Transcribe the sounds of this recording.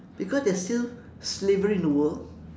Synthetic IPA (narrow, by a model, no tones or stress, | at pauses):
b̥ikɔsdɛstil | slevəɹinowə